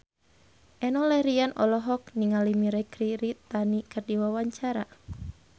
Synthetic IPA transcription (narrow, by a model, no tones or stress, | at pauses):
ʔɛnɔlɛɾianɔ̰lɔɦɔk̚niŋalimiɾɛkɾiɾit̪anikərdiwawaɲt͡ʃaɾa̰